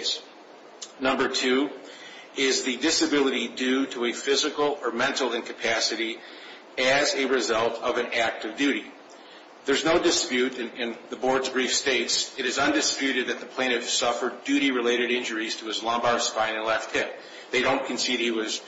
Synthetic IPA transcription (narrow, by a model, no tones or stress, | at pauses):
s | nʌ̃mbə˞tʰʉ | ɪzðɨdɪsɨbɪlˠəɾidʉɾəɨfɪzɨkl̩ˠə˞mɛ̃ntˡl̩ˠɪ̃nkɨpʰæsɨɾi | ɨzɨɹɨzʌlˠtʰʌvɨ̃næk̚tʌvdʉɾi | ðə˞znoʊdɨspjʉɾɨ̃nɪ̃nðəbɔɹdzbɹifsteɪtsɨɾɨzʌ̃ndɨspjʉɾɨd̪̚ðɨt̪̚ðɨpʰl̥ẽɪñɨtsʌfə˞dʉɾiɹɨleɪɾɨɾɪ̃nd͡ʒə˞iz̥tʰəɨzlɑ̃mbɑɹspãɪ̃ñnlɛft̚hɪ̃p̚ | ðeɪɾõʊ̃nkʰɨ̃n̩siɾ̚iwʌz̥